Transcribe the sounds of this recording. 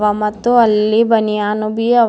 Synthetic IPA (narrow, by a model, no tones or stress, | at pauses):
ʋɐmɐt̪ːuɐlːibɐnijaːnubiɐ